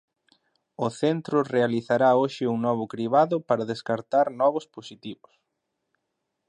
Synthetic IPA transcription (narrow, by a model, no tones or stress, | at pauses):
ʊθent̪ɾʊrealiθaɾaoʃɪuŋnɔβ̞ʊkɾiβaðʊpaɾaðeskaɾt̪aɾnɔβʊsposit̪iβʊs